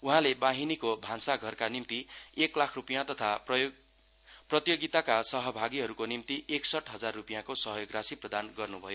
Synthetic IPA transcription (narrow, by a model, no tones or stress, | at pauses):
uɦãlebaɦinikobʱãnsaɡʱʌrkanimt̪ieklakʰrupijãt̪ʌt̪ʰa | prʌt̪joɡit̪akasʌɦʌbʱaɡiɦʌɾukonimt̪iʔeksʌʈʰɦʌd͡zarːupijãkosʌɦʌjoɡrasiprʌd̪anɡʌrnubʱʌjo